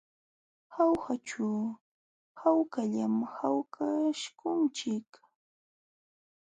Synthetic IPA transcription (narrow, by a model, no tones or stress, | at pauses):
xawxat͡ʃʊ | hawkaʎamhawkʰaʃkʊnt͡ʃɪk